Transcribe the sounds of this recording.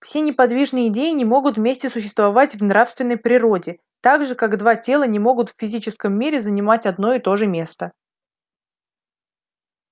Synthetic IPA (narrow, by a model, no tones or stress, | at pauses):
fsʲenʲɪpɐd̪vʲiʐnɨjəɪdʲejɪnʲɪmo̞ɡʊt̪vmʲesʲtʲɪsʊɕ̬ːɪst̪vɐvatʲvnɾafst̪vʲɪnːəjpɾʲɪɾo̞dʲɪ | t̪aɡʐɨkaɡd̪vatʲe̞lˠənʲɪmo̞ɡʊt̪fʲɪzʲit͡ɕɪskəmːʲiɾʲɪzənʲɪmatʲɐd̪no̞ɪt̪o̞ʐɨmʲe̞st̪ə